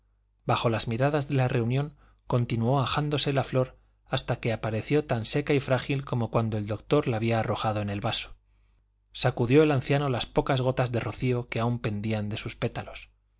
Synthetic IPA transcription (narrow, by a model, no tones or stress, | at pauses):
baxo̞lazmiɾaðazðe̞lare̞unjõ̞ŋ | ko̞nt̪inuo̞axand̪o̞se̞laflo̞ɾ | ast̪ake̞apaɾe̞θjo̞t̪anse̞kaifɾaxilko̞mo̞kwand̪o̞e̞ld̪o̞kt̪o̞ɾlaːβiaːro̞xaðoe̞ne̞lβaso̥ | sakuðjo̞e̞lan̟θjano̞laspo̞kazɣ̞o̞t̪azðe̞ro̞θio̞ke̞aumpe̞nd̪iand̪e̞suspe̞t̪alo̞s